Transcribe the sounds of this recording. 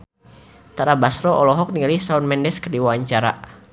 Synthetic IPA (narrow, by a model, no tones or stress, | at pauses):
t̪aɾabasɾɔɔlɔɦɔk̚nialisaunmɛndɛskərdiwawaɲt͡ʃaɾa